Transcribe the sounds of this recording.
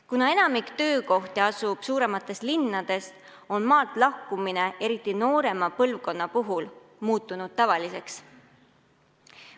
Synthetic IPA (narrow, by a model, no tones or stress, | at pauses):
kunɑe̞nɑmikt̪ø̞ːko̞ht̪eɑsub̥suːɾe̞mɑt̪ˑːe̞st̪linːɑd̪̥e̞st̪ | o̞nmɑːlt̪ˑlɑhkumine̞ʔe̞ɾit̪ˑːino̞ːɾe̞mɑpɤlvko̞nːɑpuɦul | muːt̪ːˑunud̪̥̚t̪ɑvɑlise̞ks